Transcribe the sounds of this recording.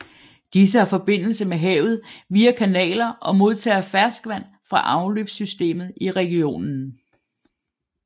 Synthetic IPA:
d̥is̬əhɑ̈fɒ̽b̥e̝n̰l̩səmeɦɛʊð̞̩ˠʋiːækʰænɛ̰ːlɐʔɒ̽mo̝ð̞ˠt͡sʰɛ̰ːɐfæɐsɡ̥ʋæn̰ | fʁɑ̈ʔɑ̈ʊlø̰ːb̥sysd̥e̝̰ːmð̩ˠiʁɛɡ̥io̝̰ːnn̩

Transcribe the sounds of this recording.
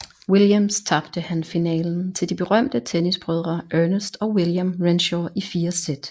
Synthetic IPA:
wiljæmst͡sʰɑ̈b̥d̥əhænfinɛ̰ːln̩t͡sʰe̝ld̥ib̥e̝ʁɶm̰d̥ət͡sʰenisb̥ʁœð̞ˠʁɐʔøɐnəsd̥ɒ̽wiljamʁenɕɒifiːɐsed̥

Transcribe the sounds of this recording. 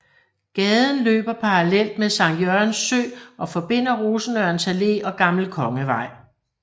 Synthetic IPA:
ɡ̥ɛːð̞ˠn̩lø̰ːb̥ɐpʰɑ̈ʁɑlel̰d̥meðsɑ̈ŋjøɐnsːø̰ːʔɒ̽fɒ̽b̥e̝n̰ɐʁoːsn̩øɐnsæle̝̰ɒ̽ɡ̥ɑ̈ml̩kʰɒ̽ŋəʋɑ̈ɪ̰

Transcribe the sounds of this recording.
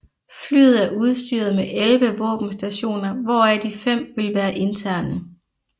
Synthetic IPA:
fly̰ːð̞̩ˠæɐuð̞ˠsd̥y̰ɐðˠmeʔelʋəʋɔ̰̽ːb̥m̩sd̥æɕo̝̰ːnɐʋɒæd̥ifem̰ʋe̝lʋæːɐʔe̝nt͡sʰæɐ̰nə

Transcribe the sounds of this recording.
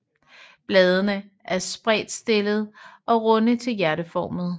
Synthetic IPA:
b̥lɛːð̞ˠənə | ʔæɐsb̥ʁɛ̰ːd̥sd̥e̝lð̞̩ˠʔɒ̽ʁɔ̽nət͡sʰe̝ljæɐɾəfɒːmð̞̩ˠ

